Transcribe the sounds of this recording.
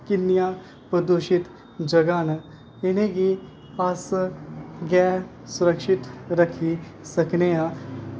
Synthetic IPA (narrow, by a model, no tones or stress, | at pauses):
kɪnːijã | pəd̪oʃɪt̪ | d͡ʒɐɡaːn | ɪnẽɡi | as | ɡɛː | sʊɾəkʃɪt̪ɾəkʰisɐkneãː